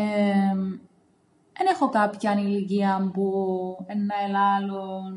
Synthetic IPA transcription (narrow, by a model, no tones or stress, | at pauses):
e | ðene̞xokɐpçɐniliciɐmbuenːɐelɐlo